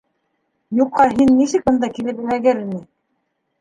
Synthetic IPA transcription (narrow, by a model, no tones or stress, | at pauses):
juqːɑɦinːisɘk̚bɤ̆nd̪ɑkilɘpɘɾæɡɘɾinɘ